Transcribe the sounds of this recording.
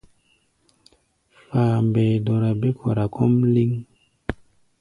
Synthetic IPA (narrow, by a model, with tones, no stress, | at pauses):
faː˨mbe˨do˨ɾa˨be˦kʰo˨ɾa˨ko˦mli˦ŋ